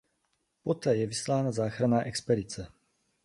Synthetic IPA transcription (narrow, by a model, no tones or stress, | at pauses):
pot̪ɛːjɛvislaːnazaːxɾanaːʔɛkspɛdit͡sɛ